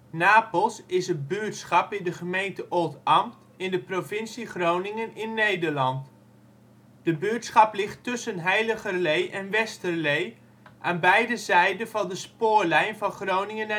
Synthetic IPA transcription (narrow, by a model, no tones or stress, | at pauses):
naːpəlˠsɪsət̚byətsχɑpɪndəχəmejntəʔolˠtɑmt | ɪndəprovɪnsiχrownɪŋənɪnːejdəɹlɑnt | d̥əbyətsχɑplɪχtːɵsənɦɛjləχərlejʔɛnʋɛstərlej | ʔaːnbɛjdəzɛjdənvɑndəspʊːɹlɛjnvɑnχrownɪŋən